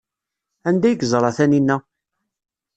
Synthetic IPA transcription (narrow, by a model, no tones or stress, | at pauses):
ænd̪æjəɡzˤɾˤɑθæninːæ